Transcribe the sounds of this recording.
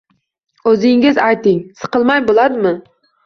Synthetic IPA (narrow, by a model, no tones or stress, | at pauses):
ɵzɪŋɪzajt̪ɪŋsɨ̥qɨlˠmajbolad̪ɪmɪ